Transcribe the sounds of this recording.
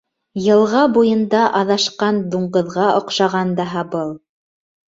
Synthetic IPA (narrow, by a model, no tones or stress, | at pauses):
jɤ̆lˠʁɑbujɤ̆nd̪ɑʔɑðɑʃqɑnd̪uɴɢɤ̆ðʁɑʔŏqʃɑʁɑnd̪ɑɦɑbɤlˠ